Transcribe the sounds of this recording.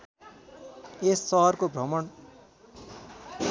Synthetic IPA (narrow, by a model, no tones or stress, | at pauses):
esːʌɦʌrkobʱʌmʌn